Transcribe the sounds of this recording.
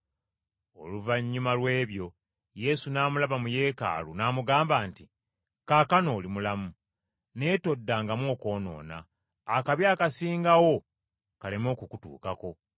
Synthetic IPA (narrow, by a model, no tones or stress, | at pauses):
o̞̰luvaɲːumalwe̞ːβjo̞ | je̞sunaːmulaβamuje̞ːka̰ːlunaːmuɡaːmbaːnti | kaːkano̞ːlimulamu | ne̞to̞dːaːŋɡamwo̞ːko̞ːno̞̰ːna̰ː | kaβjaːkasiːŋɡawo̞ | kale̞mo̞ːkukutṵːkako̞